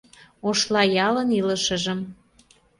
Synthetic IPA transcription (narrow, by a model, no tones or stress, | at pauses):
oʃlɑjɑləniləʃə̆ʒə̆m